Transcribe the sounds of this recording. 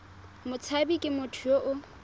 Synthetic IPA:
mʊt͡sʰabikʼɪmʊtʰʊjoʔʊ

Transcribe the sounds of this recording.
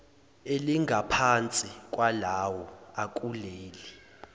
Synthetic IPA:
eliŋɡʱapʰant͡sʼikʼwalawɔakʼuleːli

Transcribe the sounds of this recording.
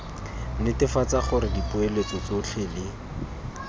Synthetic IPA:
nɪtɪfat͡saχʊɾɪdipʊelet͡sɔt͡soɬʰelɪ

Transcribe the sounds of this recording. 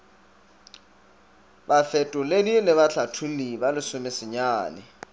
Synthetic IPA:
bafɛtʼʊledilɪβaɬʰatʰulibalɪsʊmɪsɪɲaːnɪ

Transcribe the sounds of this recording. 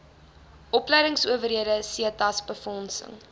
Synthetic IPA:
ʔɔplɛjɾəŋsuəvəriədəsiətɐsbəfɔnsə̰ŋ

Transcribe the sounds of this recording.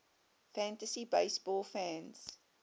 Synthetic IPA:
fæ̃ntəsibeɪsb̥ɔːlˠfæ̃nz̥

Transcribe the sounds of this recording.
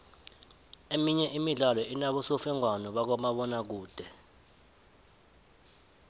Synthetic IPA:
emiɲɛʔimiɮalɔʔinaɓɔsofɛŋwanɔɓak̬ɔmaɓɔnak̬uːd̥ʱɛ

